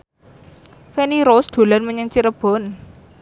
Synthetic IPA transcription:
feniɾosd̪̥o̤lanməɲəŋt͡ʃiɾəb̥ɔ̤n

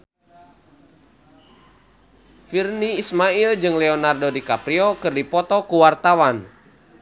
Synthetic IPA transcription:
firniːsmaild͡ʒɨŋlɛɔnardodikapɾiɔkɨrdipɔt̪ɔkuwart̪awan

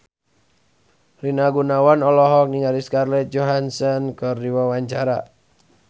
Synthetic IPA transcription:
linaɡunawanɔlɔɦɔk̚niŋaɾiskarlɛt̪̚d͡ʒoɦansɔnkɨrdiwawaɲt͡ʃaɾa

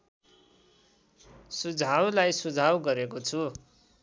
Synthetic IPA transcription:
sud͡zʱawlajsud͡zʱawɡʌɾekot͡sʰu

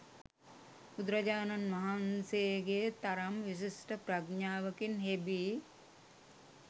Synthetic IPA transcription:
ud̪ɾɐd͡ʒaːnanʋɐɦanseɡeːt̪aɾamʋis̬isʈəpɾaɡɲaːʋəkinɦebiː

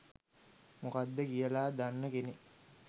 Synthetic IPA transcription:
mokad̪ːəkijəlaːd̪anːəkeni

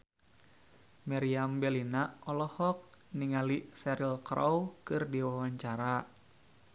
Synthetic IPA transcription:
maɾiambɛlinaɔlɔhɔk̚niŋalisɛɾilkɾɔwkɨrdiwawaɲt͡ʃaɾa

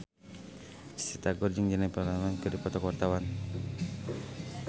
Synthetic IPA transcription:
sit̪aɡɔrd͡ʒəŋd͡ʒanajpalamɛnkɨdipɔt̪ɔkwart̪awan

